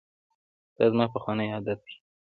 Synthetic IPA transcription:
d̪̥ɑzmɑpəxwɑnəjɑd̪at̪̚d̪i̥

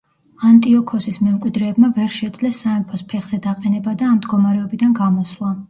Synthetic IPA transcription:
ant̪ʼiɔkʰɔsismɛmkʼwid̪ɾɛːbmavɛɾʃɛd̪zlɛsːaɛmpʰɔspʰɛχz̥ɛd̪aqʼɛnɛbad̪aːmd̪ɡɔmaɾɛɔbid̪anɡamɔslˠa

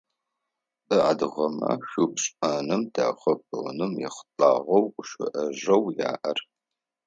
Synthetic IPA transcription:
ʔɨadɨʁɐma̰ʃʷupɕʼaːnɨmdaːχʷɐp̚ʰɨnɨmjɪ̰χɬʼaːʁɐwqʷʊʃɪ̰ʔɐʒɐwja̰ːʔɐr

